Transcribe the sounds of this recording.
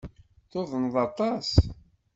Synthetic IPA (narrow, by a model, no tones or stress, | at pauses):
θoðˤənðˤɑt̪ˤɑs